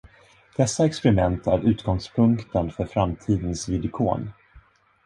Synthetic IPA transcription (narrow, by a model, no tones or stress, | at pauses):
d̪̥ɛsːaɛkspɛɾɪmɛnt̪ʰæɾʔʉ̟ːt̪ɡɔŋspʰɵŋkt̪ənfœɾfɾamt̪ʰiːd̪ənsvɪd̪ɪkʰo̰ːn